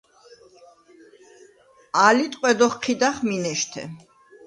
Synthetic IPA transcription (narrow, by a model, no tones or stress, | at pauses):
alit̪ʼqʼwɛd̪ɔχqʰid̪aχminɛʃt̪ʰɛ̰